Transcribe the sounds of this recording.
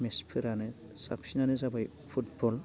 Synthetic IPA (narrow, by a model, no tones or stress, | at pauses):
mespʰɯɾanɯ | sa̰psinanɯzabaj | pʰut̚bɔl